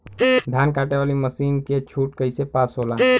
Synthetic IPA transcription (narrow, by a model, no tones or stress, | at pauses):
d̪ʱaːnkaːʈeʋaːliməsiːnket͡ʃʰuːʈkəisepaːsɦoːlaː